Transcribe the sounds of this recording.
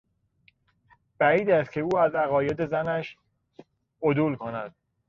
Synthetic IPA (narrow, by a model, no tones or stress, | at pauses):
b̥æiːd̪æst̪kcʰe̞uːæzæɣɒːje̞d̪e̞zænæʃ | od̪uːlkʰonæd̪̥̚